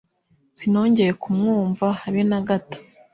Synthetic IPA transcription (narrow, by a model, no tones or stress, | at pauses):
zino̞ːɲɟe̞je̞kumŋuːɱvahaβenaɡato̥